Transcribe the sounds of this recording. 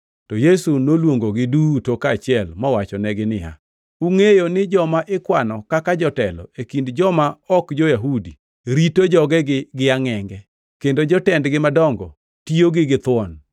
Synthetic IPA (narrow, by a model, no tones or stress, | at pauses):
tɔjesunolwoŋɡoɡɪdutokaːt͡ʃɪɛlmɔwat͡ʃɔnɛɡɪnɪa̰ | uŋejonɪd͡ʒɔmaʔɪkwanɔkakad͡ʒɔtɛlɔ̰ekindd͡ʒɔmaɔkd͡ʒojaɦudi | ɾitod͡ʒɔɡɛɡɪɡɪaŋɛŋɡɛ | kendod͡ʒɔtɛndɡɪmadɔŋɡɔ̰ | tioɡɪɡɪt̪wɔn